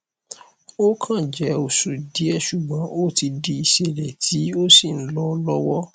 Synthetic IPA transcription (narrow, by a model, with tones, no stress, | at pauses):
o˦kʰã˦˨d͡ʒɛ˨˦o˨su˨di˨˦ɛ˦˨ʃu˨ɡ͡bɔ̃˨˦ʔo˦ti˧di˧i˨ʃe˨ɾɛ˨tʰi˨˦o˦si˦˨n̩˦lɔ˦lɔ˦wɔ˦